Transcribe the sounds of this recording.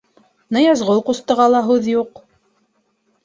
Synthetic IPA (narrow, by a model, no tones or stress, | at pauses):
nɤjɑzʁolˠqust̪ɤ̆ʁɑlˠɑɦʉðjuq